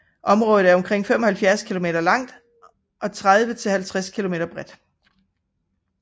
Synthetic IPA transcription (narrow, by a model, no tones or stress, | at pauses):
ʔɒ̽mʁɔːð̩ˠæɐɒ̽mkʰʁeŋ̰fem̰ɒ̽hælfjæɐskʰilo̝me̝ːɾ̥ɐlɑ̈ŋ̰d̥ | ʔɒ̽t͡sʰʁað̞ˠʋət͡sʰe̝lhælt͡sʰʁaskʰilome̝̰ːɾ̥ɐb̥ʁɛd̥